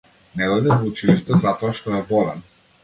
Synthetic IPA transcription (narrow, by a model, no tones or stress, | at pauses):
nɛd̪ɔjd̪ɛvɔut͡ʃiliʃt̪ɛzat̪ɔaʃt̪ɔɛbɔlɛ̰n